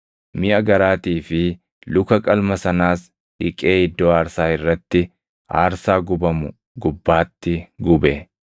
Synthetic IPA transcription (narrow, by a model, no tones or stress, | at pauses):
mɪʔɐɡɐɾaːt̪iːfɪ | lʊkɐkʼɐlmɐsɐnaːs | ʔɪkʼe̞ːhɪd̪ːoːaːɾsaːɪrːɐt̪ːɪ | a̰ːɾsaːɡʊbɐmʊ | ɡʊbːaːt̪ːɪɡʊbɛ